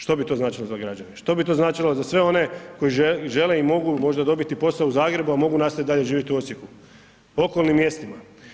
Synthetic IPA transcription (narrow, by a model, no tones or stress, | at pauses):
ʃt̪o̞bit̪oznaːt͡ʃilozaɡɾad͡ʑaneʃt̪o̞bit̪o̞znaːt͡ʃilozasʋe̞o̞ne̞ko̞iʒeʒe̞le̞imo̞ɡumo̞ʒd̪ad̪o̞bit̪ipo̞sauzaːɡɾe̞buamo̞ɡunaːst̪ait̪d̪aʎeʒiːʋjit̪iuo̞t̪sjeku | o̞ko̞lˠnimːje̞st̪ima